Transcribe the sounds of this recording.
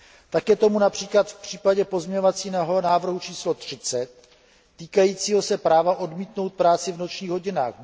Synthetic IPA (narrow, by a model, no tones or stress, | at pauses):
t̪akjɛt̪o̞munapr̝̥iːklat̪fpr̥iːpaɟɛpo̞zmɲɛɲovat͡siːnɦnaːvr̩ɦut͡ʃiːslo̞t̪r̝̥ɪt͡sɛt̪̚ː | iːkajiːt͡siːɦo̞sɛpɾaːvaʔo̞dmiːt̪no̞wt̪̚pɾaːt͡sɪvno̞t͡ʃɲiːɣɦo̞ɟɪna̰ːx